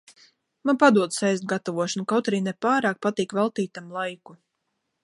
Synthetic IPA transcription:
manpad̪uɔd̪sajzd̪̚ɡat̪avuɔʃanukawt̪aɾiːnɛpaːɾaːk̚pat̪iːkvɛlˠt̪iːt̪amlˠajku

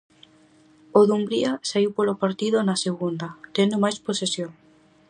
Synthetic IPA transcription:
oðumbɾiasaiwpolopaɾt̪iðʊnaseɣund̪at̪end̪omajsposesjoŋ

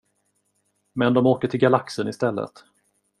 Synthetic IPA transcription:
mɛnd̪ɔmoːkəʈʰɪlɡalaksəɳɪst̪ɛlːə̰t̪

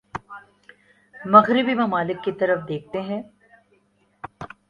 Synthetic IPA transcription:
mɐɣɾɪbimɐmaːlɪkːit̪ɐɾəfd̪eːk̚ʰt̪eɦɛ̃ː

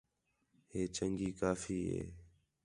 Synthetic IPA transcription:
heːt͡ʃəŋɡiːkaːfiːɦḛː

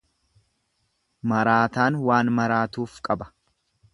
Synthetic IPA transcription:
mɐɾaːt̪aːnwaːnmɐɾaːt̪uːfkʼɐbɐ̥

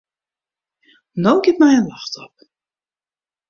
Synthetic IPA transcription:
nowɡɪtmɛjənlaxtʰɔp̚

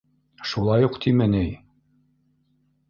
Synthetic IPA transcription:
ʃulˠɑjuqt̪ʰimɘnɘj

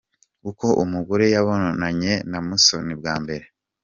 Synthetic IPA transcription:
kuko̞ʔumuɡoɾejaβononaɲe̞namusonibɡaːmbe̞ɾe̞

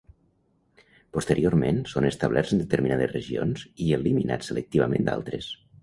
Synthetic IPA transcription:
pust̪əɾioɾmensonəst̪əβ̞lʔɛɾzənd̪ət̪əɾminaðəzrəʒio̰nziəliminʔa̰t͡sːələk̚t̪iβəmẽnd̪a̰lˠt̪ɾes

